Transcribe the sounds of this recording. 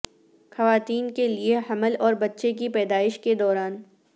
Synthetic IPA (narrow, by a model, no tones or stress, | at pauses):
xɐʋaːt̪iːnkelieɦɐməlɔːɾbɐtːʃek̬ipɛːd̪aːɪʃked̪ɔːɾaːn